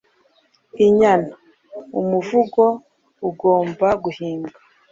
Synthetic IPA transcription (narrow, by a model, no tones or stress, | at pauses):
iɲana | umuvuɡo̞ | uɡo̞ːmbaɡuhiːŋɡa